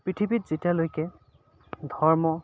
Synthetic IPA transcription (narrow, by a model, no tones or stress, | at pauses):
pɹitʰibitz̥etialojkɛ | dʱɔɹmɔ